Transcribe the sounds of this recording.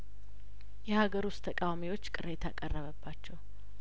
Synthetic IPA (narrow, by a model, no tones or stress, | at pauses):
jɛhaɡəɾust̪ʰːəkʼawamiwo̞t͡ʃːkʼɨɾet̪ʰakʼərːəβəbːat͡ʃːɛw